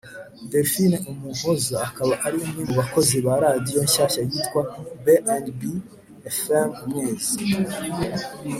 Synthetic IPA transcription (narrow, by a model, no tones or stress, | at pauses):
defineumu̥uzaakaβaʔaɾimŋimuβako̞ziβaɾadijo̞ɲʃaʃajitkwabeʔandbi | efemmŋezi